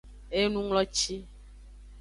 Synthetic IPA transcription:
e˦nũ˦ŋlɔ˦t͡ʃi˦

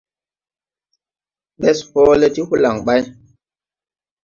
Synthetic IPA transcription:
ɓɛ˦sho˦le˦ti˦hu˦la˨ŋɓa˦j

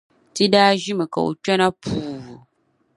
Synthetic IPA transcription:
ti˦daː˦ʒi˦mɨ˨ka̰˨o̰˨t͡ʃɛ˦na˦pʰuː˨hu˨

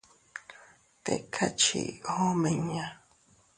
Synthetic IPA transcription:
t̪e˨kʰa˦t͡ʃḭ˨ho˦mẽ˨ɲã˨

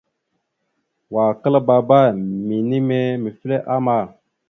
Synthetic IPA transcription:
wa˨kə˦la˦ba˨ba˦mi˨ni˦me˦mi˨fi˦le˦ʔa˦ma˨

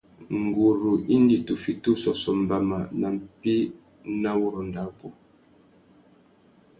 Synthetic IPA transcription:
ŋ˨ɡu˨ɾu˨i˦n˦di˦˨tu˨fi˨tu˦sɔ˨sɔ˨m̩˨ba˨ma˨na˨m̩˨pi˦ | na˦wu˦ɾu˨nda˨˦pu˦

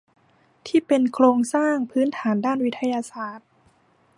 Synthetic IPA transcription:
t̪ʰiː˥˩pe˧nkʰloː˧ŋsaː˥˩ŋpʰɯː˦˥nt̪ʰaː˩˦ndaː˥˩nwi˦˥t̪ʰa˧jaː˧saː˧˩t̪̚

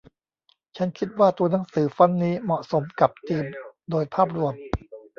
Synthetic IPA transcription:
t͡ɕʰa˦˥nkʰi˦˥t̪̚waː˥˩t̪u˧ɐna˩˦˥ŋsɯː˩˦fa˦˥nːiː˦˥mɔ˨˩ʔso˩˦mka˨˩p̚t͡ɕ̪iː˧mdoː˧jpʰaː˥˩p̬̚ɾu˧əm

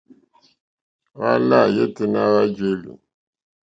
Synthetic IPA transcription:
wa̰˦la˦˨je˦ti˦na˦wa˦d͡ʒe˦lṵ˨

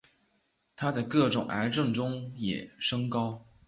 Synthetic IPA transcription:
t̪ʰa˥t͡sa˥˧ɪkɤ˥˩ʈ͡ʂʊ˨˩ŋʔa̰˧˥ɪʈ͡ʂɤ˥˩ŋʈ͡ʂʊ˥ŋjɛ̰˨˩ʂɤ˥ŋkɑ˥ʊ

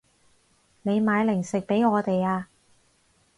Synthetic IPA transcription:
ne˨˧jmaː˨˧jlɪ˨˩ŋsɪ˨k̚pe˨˥jŋɔː˨˧t̪e˨jaː˧

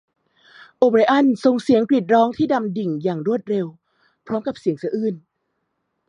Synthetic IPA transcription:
ʔoː˧pɾi˧ʔa˥˩nso˧ŋsi˨˩˦əŋkɾi˨˩t̪̚ɾɔː˦˥ŋt̪ʰiː˥˩da˧mdi˨˩ŋjaː˨˩ŋɾu˥˩ət̪̚ɾe˧w | pʰɾɔː˦˥mka˨˩p̚si˨˩˦əŋsɯː˨˦ʔɯː˧˥˩n

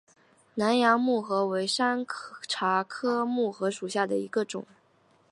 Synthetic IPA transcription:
na˧˥njɑ˧˥ŋmu˥˩xɤ˧˥we˧˥ɪʂa˥nʈ͡ʂʰa˧˥kʰɤ˥mu˥˩xɤ˧˥ʂu˨˩ɕja˥˩d̪ə˩i˧˥ɡə˧ʈ͡ʂʊ̰˨˩˦ŋ

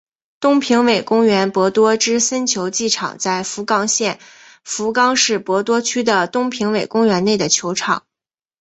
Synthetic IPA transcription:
t̪ʊ˥ŋpʰi˧˥ŋwe˨˩ɪkʊ˥ŋɥɛ˧˥npwɔ˧˥t̪wɔ˥ʈ͡ʂɻ̩˥sə˥nt͡ɕʰjo˧˥ʊt͡ɕi˥˩ʈ͡ʂʰɑ̰˨˩ŋt͡sa˥˩ɪfu˧˥kɑ˥˧ŋɕjɛ˥˩n | fu˧˥kɑ˥ŋʂɻ̩˥˩pwɔ˧˥t̪wɔ˥t͡ɕʰy˥d̪ə˨t̪ʊ˥ŋpʰi˧˥ŋwe˨˩ɪkʊ˥ŋɥɛ˧˥nne˥˩ɪd̪ə˩t͡ɕʰjo˧˥ʊʈ͡ʂʰɑ̰˨˩˦ŋ

